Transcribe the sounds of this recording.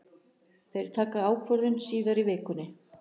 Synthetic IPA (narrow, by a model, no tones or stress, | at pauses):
θejɾ̥t̪ʰaːkaaːwkʰvœɾðʏnsiːðaɾivɪːkʏnːɪ